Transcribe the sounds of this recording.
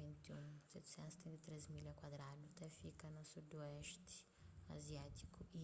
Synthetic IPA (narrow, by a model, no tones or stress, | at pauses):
vẽnt̪eṵ̃sɛt̪ɪ̥sɛ̃nt̪usɛt̪ẽnt̪et̪ɾezmilakwad̪ɾad̪ʊt̪ɛfikɐnusud̪uɛʃt̪ɪ̥ | a̰ziat̪i̥kʊi